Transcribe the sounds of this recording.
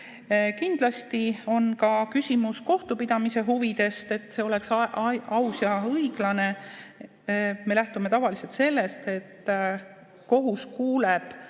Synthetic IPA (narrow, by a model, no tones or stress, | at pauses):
kind̪̥lɑst̪io̞nkɑkysʲimusko̞ht̪upid̪̥ɑmise̞ɦuvid̪̥e̞st̪e̞t̪ːˑse̞ːo̞le̞ksʔɑwsjɑɤiɡ̥lɑne̞ | me̞læht̪ume̞t̪ɑvɑlise̞lt̪se̞lːe̞st̪e̞t̪ː | ko̞ɦuskuːleb̥